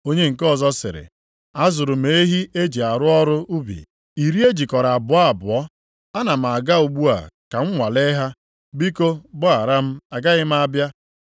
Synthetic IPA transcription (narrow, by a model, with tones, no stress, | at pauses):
o˦ɲe˦ŋ̩˨kɔ˦zɔ˦sɪ̰˨ɾɪ̰˨ | a˦zʊ˨ɾʊ˨me˨˦ɦi˦e˦d͡ʒi˨a˨ɾʊ˦ɔ˦ɾʊ˦ʔu˦bḭ˨ | i˨ɾi˦e˦d͡ʒi˨kɔ˨ɾa˨a˨bʊ˨a˦˨bʊ˨ɔ˦ | a˦na˨m̩˨a˨ɡa˦u˨ɡ͡bu˦a̰˨ka˨ŋ̩˦ŋʷa˨le˦ɦa˦ | bi˦ko˦bʊ˦a˨ɾa˦m̩˦a˨ɡa˦ɣɪ˦m̩˦a˦bja˦